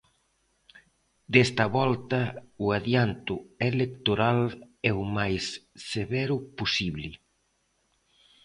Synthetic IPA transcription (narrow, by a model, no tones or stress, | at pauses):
d̪est̪ɐβɔlt̪ɐʊaðjant̪ʊelekt̪oɾalɛumajsːeβɛɾʊposiβlɪ